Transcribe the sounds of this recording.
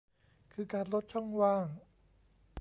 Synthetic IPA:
kʰɯː˧˩kaː˧nlo˦˥t̪̚t͡ɕʰɔ˥˩ŋwaː˧˩ŋ

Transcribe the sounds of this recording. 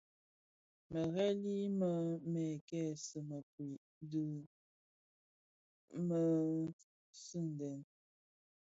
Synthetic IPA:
mə˨ɣɛ˦li˦mə˦mɛ˨kɛ˦˨sə˨mə˨pwi˨ | də˨ | mə˨ | sʉ˦˨n˨dɛ˨n

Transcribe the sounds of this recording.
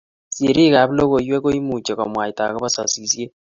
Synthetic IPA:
si˨ɾi˦ka˨βi˦lo˦ɣo˨iwe˦ko˦i˦mu˨t͡ʃe˨ko˨mwa˨i˨ta̰˨ɣo˦βa˦sa̰˨sisje˦

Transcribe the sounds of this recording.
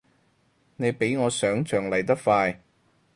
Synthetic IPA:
ne˨˧jpe˨˥jŋɔː˨˧sœː˨˥ŋt͡ʃʰœː˨˩ŋlɐ˨˩jt̪ɐ˥k̚faː˧j

